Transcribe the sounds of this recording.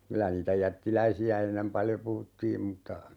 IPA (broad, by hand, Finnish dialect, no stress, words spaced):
kylæ niːtæ jætːilæisiæ enːem pɑljo puhutːiːm m̩tːɑ